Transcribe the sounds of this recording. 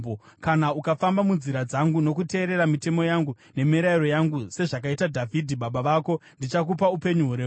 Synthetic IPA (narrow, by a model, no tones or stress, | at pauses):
o | kanaukafambamunziɾad͡zaŋɡuno̞kute̞ːɾe̞ɾamite̞mo̞jaŋɡu | ne̞miɾaiɾo̞jaŋɡuse̞ʐak̬aitadʱavʱidʱiɓaɓaʋaːko̞ndit͡ʃakupaupe̞ɲuɦuɾeː